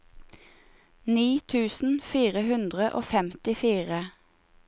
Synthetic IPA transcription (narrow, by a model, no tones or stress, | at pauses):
niːt̪ʰʉːsn̩fiːʁəhʉnd̪ʁəʔo̰ːfɛmt̪ɪfiːʁə